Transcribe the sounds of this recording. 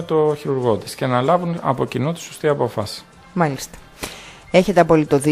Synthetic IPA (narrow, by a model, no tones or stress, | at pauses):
t̪oçiɾuɾɣo̞t̪i̥sce̞nɐlɐvunɐ̰po̞cinut̪i̥so̞st̪iɐpo̞fɐsi̥ | mɐlist̪ɐ̥ | e̞çe̞t̪eɐpo̞lit̪o̞ði